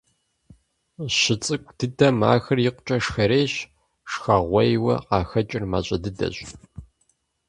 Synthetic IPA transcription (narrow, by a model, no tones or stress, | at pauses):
ɕɪt͡sʼɨkʷʼd̥ɨdɐma̰ːxɐrjɪqʷʊt͡ʃʼɐʂxɐɾeːɕ | ʂxɐʁʷɔjwɐ̰qɑːxɐt͡ʃʼɪrma̰ɕʼɐdɨdɐ̰ɕʼ